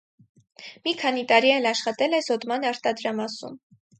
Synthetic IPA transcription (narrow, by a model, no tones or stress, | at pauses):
mikʰɑnit̪ɑɾiɛlɑʃχɑt̪ɛlɛzɔd̪mɑnɑɾt̪ɑd̪ɾɑmɑsṵm